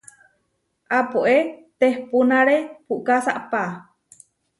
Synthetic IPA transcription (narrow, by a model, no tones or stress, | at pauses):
ʔapoʔet̪ehpunaɾepuʔkasaʔpa